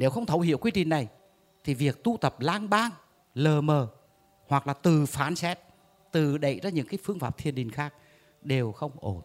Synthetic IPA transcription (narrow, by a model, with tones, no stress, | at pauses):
ne˨˦wxə˧wŋ͡mt̪ʰə˧˦whḭ˧˨wkwi˧t͡ɕï˨˩ŋ̟na˨˩j | t̪ʰi˨˩vi˨˩ək̚t̪u˧t̪ə˨˩p̚laː˧ŋɓaː˧ŋ | ləː˨˩məː˨˩ | hwa˨˩k̚laː˨˩t̪ɨ˨˩faː˨˦nsɛ˦˥t̚ | t̪ɨ˨˩ɗə̰˧˨jzaː˧ɲɨ̰˧˥ŋkaː˨˦jfɨ˧əŋfaː˧˩p̚t̪ʰi˨˩ənɗï˨˩ŋ̟xaː˦˥k̚ | ɗe˨˩wxə˧wŋ͡mʔo˧˩n